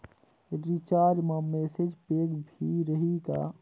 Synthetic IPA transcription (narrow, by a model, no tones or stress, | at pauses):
ɾit͡ʃaːɾɖmãmeːsed͡ʒpeːɡbʱiɾəɦika̰